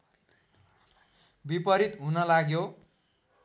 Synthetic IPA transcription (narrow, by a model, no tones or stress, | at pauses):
bipʌɾit̪ɦunʌlaɡjo